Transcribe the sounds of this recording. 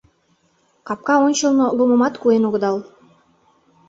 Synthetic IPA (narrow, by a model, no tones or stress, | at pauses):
kɑp̚kɑonʲt͡ɕə̆lnoluməmɑt̪kuenoɣə̆d̪ɑl